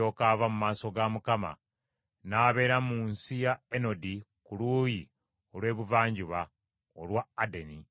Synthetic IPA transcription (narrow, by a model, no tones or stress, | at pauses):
o̞kavamumaːso̞ɡamukama̰ | naːβe̞ːɾamuːnsijaeno̞di | kuluːji | o̞lwe̞ːβuvaːɲɟuβa | olwaːdeni